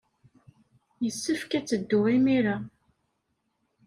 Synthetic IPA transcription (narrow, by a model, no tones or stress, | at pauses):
jəsːəfkæt͡sːəd̪ːʊʁimiɾa